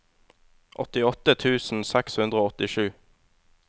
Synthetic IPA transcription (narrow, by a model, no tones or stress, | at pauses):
ʔɔt̪ɪɔt̪ət̪ʰʉːsn̩sɛkshʉnd̪ʁəoːɔt̪ɪʃʉː